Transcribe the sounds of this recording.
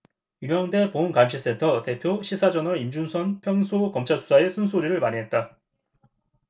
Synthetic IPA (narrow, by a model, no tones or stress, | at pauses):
uŋjʌŋde̞pounkamɕʰis͈e̞ntʰʌte̞pʰjoɕʰisʰad͡ʑʌnʌind͡ʑunsʰʌnpʰjʌŋsʰokʌmt͡ɕʰasʰu̥sʰaes͈ʰɯns̬ʰoɾiɾɯɭmaɲiɦe̞t̚t͈a